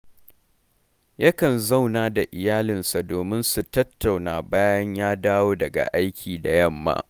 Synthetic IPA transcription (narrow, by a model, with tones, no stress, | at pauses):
jɐ˦kɐ˨nza˦˨wnaː˨˦da˨ʔɪ˨jaː˦lɪ˨nsa˨doː˨mɪ˦nsu˨tɐ˦tːa˨wnaː˨baː˦jɐ˦ɲjaː˦daː˦woː˦dɐ˨ɡa̰˨ʔa˦jkʲʰiː˨da˨jɐ˦˨mːa̰ː˦